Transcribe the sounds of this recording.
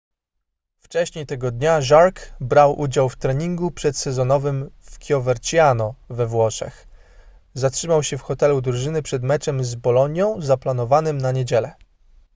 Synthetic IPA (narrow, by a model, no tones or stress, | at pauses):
ft͡ʂɛɕɲejt̪ɛɡɔd̪ɲaʐaɾkbɾawʔud͡ʑawft̪ɾɛɲiŋɡupʂɛt̪sɛzɔnɔvɘmfkʲjɔvɛɾt͡ɕijanɔvɛvwɔʂɛ̰x | zatʂɘmawɕɛfxɔt̪ɛlud̪ɾuʐɘnɘpʂɛd̪mɛt͡ʂɛmzbɔlɔɲjɔ̃w̃zaplan̪ɔvanɘmnaɲed͡ʑɛlɛ